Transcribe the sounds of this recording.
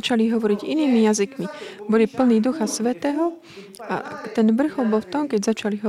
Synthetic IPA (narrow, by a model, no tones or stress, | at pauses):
t͡ʃaliɦɔʋɔɾiɟiniːmijazikmibɔlipl̩niːd̪uxasʋɛt̪ɛːɦɔ | ʔa̰t̪ɛnʋr̩xɔbɔlft̪ɔmkɛɟzat͡ʃaliɦɔ